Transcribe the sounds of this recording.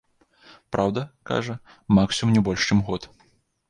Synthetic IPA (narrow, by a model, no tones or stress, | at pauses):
pɾʔawd̪ɐka̰ʐɐ | maksʲimnʲɛbɔlʲʂt͡ʂɨmɣɔt̪